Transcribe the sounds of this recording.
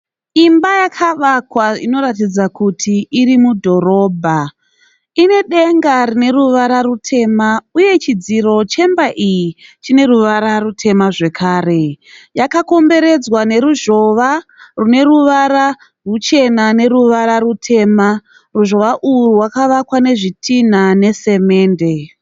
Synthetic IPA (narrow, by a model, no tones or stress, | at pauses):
imbajakʰaʋakwaḭno̞ɾatid͡zakutʰiːɾimudʱo̞ɾo̞ːbʱa | ine̞ɗe̞ŋɡarine̞ruʋaɾarutʰe̞ːmauje̞t͡ʃid͡ziro̞t͡ʃe̞mbaʔijit͡ʃine̞ruʋaɾarutʰe̞maʐe̞kʰaːre̞jakako̞mbe̞ɾe̞d͡zwane̞ɾuʒo̞ʋarune̞ɾuʋaɾa | rut͡ʃe̞nane̞ɾuʋaɾaɾutʰe̞ːma | ruʒo̞ʋaʔuruwakaʋakwane̞ʐitʰinane̞se̞me̞ːnde̞